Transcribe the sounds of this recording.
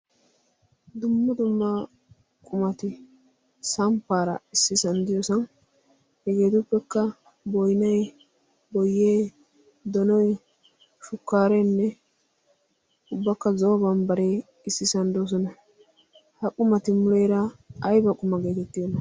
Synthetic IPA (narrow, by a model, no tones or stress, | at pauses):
d̪ʊmːɐd̪ʊmːɐ | kʼʊmɐt̪ɪ | sɐmpːaːɾɐ̰ɪsːɪsɐnd̪ɪjɔsɔn | hɛɡe̞ːt̪ʊpːɛkːɐ | bɔjnɐj | bɔjːeː | d̪ɔnɔj | ʃʊkːaːɾɛnːɛ | ʊbːɐkːɐzɔbɐnbɐɾeː | ɪsːɪsɐnd̪oːs̬ɔnɐ | hɐkʼʊmɐt̪ɪmʊlɛjɾɐɐjbɐkʼʊmɐɡe̞ːt̪ɛt̪ːɪdɔnːɐ